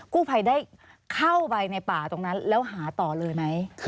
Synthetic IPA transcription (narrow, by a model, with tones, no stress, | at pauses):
kuː˥˩pʰa˧jda˥˩j | kʰa˥˩wwa˧jna˧jpaː˨˩t̪o˧ŋna˦˥nlɛː˦˥wɦaː˩˦t̪ɔː˨˩lɤː˧jma˦˥j